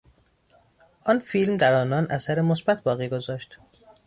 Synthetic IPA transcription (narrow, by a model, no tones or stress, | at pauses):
ʔɒːnfiːlmd̪æɾɒːnɒːnʔæsæɾemosbæt̪ʰbɒːɣiːɡo̞zɒːʃt̪